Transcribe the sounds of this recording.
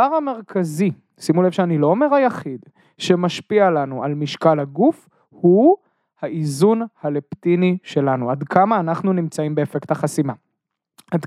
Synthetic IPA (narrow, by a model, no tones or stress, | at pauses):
vaʁame̞ʁkʰazi | simulevʃeanilo̞ome̞ʁhajaχid | ʃe̞maʃpialanualmiʃkalhaɡuf | hu | haizunhaleptiniʃe̞lanuadkʰamaːnaχnunimt͡saimbe̞ːfektaχasima | ad